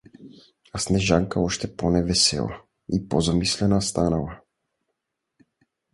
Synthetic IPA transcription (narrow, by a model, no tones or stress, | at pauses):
asnɛʒaŋkaɔʃt̪ɛpɔnɛvɛsɛ̰lˠa̰ | ipɔzamislɛnast̪anala